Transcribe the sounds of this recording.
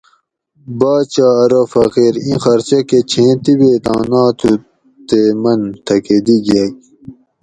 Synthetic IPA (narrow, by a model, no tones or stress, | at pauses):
baːt͡ɕaːɐɾofɐqiːɾĩxɐɾseket͡ɕʰẽːt̪ibet̪ãːnaːt̪ʰu | t̪emɐnt̪ʰɐked̪iɡek̚